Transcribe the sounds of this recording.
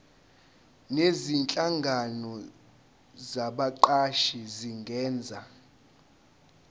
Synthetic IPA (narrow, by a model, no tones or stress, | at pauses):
nezint͡ɬʼaŋɡʱanɔ | zaɓaǃaʃiziŋɡʱɛːnd͡zʱa